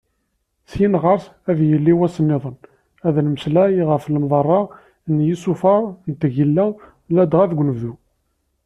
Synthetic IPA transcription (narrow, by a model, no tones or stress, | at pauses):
sjinʁɑɾˤsæðjəlːiwæsənːɪðˤən | æðlməslæjʁəfləmðˤɑrˤːɑ | njisufɑɾˤnt̪ʝilːæ | læd̪ʁæðɡʷnəvðu